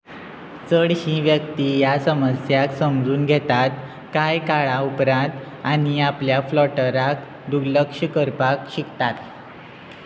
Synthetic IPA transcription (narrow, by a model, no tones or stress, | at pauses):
t͡səɽɕĩʋjəkt̪iːjasəməsjaksəmd͡zuːnɡʱet̪at̪ | kajkaɭaupɾãnt̪ | aɽ̃iapljaflɔʈəɾak | d̪uɡləkʂəkəɾpakɕikt̪at̪̚